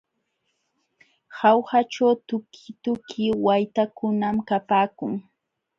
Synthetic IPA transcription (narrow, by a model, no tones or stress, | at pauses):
hawhat͡ʃawt̪ʊkʰɪ̥t̪ʊkʰɪwajt̪akʊnamkapaːkʊŋ